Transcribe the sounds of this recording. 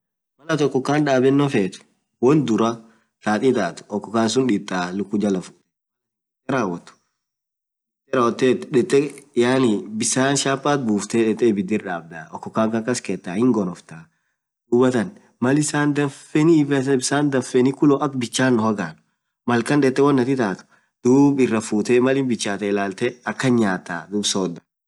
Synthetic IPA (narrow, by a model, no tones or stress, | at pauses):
mɐlɐt̪ɔkːɔkːaːnᶑaːbɛnːɔfeːt̪ʊ̥ | wɔnd̪ʊɾɐ | saːt̪ʼit̪aːt̪ʊ̥ɔkːɔkːaːns̬ʊnᶑɪt̪ʼːaːlʊkːʊd͡ʒɐlɐfʊ̥ | t̪ɛɾaːwɐt̪ʊ̥ | ɛt̪ːɛɾɐwɔt̪ːeːt̪ᶑɛt̪ʼːɛjaːnibɪsaːnʃaːpʼːaːt̪̚buːft̪ɛᶑɛt̪ʼːɛːbɪd̪ɪɾᶑaːb̚d̪aɔkːɔkːaːŋkɐkɐskɛːt̪ːaːhɪŋɡɔnɔft̪aː | d̪̥uːbɐt̪ɐn | mɐlɪsaːnd̪ɐnfɛnibbɪsaːnd̪ɐnfɛnikʊloːʔɐkbɪt͡ʃːaːnːɔhɐɡaːnʊ̥ | mɐlkɐnᶑɛt̪ʼːɛwɐnːɐt̪ɪt̪aːt̪ʊ̥ | d̪̥uːbɪrːɐfuːt̪ɛːmɐlɪnbɪt͡ʃːaːt̪ɛːlaːlt̪ɛɐkːɐɲaːt̪ːaːd̪uːbsoːd̪ɐ̥